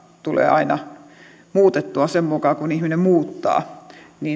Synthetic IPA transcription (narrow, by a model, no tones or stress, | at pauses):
t̪ulḛːʔɑinɑ | muːt̪et̪ːuɑsemmukɑːkunihminemmuːt̪ːɑ̰ːniː